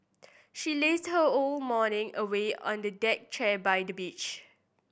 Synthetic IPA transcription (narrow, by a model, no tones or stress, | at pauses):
ʃilesd̚həolmɔnɪ̃ŋəweɔ̰̃ndədɛk̚t͡ʃɛbajdəbit͡ʃ